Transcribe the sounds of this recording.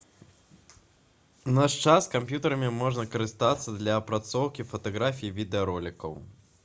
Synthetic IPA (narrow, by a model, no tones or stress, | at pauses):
naʂt͡ʂaskampʲjut̪ɐɾɐmʲimɔʐnɐkɐɾɨst̪at̪sːɐd̪lʲɐːpɾat̪sɔwkʲifɐt̪aɣɾafʲijivʲid̪ɛɐɾɔlʲikɐ̰w